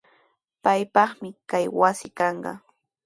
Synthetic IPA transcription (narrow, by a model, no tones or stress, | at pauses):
pajpɑχmɪkajwasɪkɑɴɢɑ̰